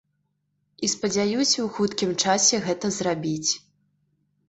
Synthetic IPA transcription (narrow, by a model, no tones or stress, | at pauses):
ispɐd͡zʲajusʲɐwxut̪kʲimt͡ʂasʲɛɣɛt̪ɐzrabʲit͡sʲ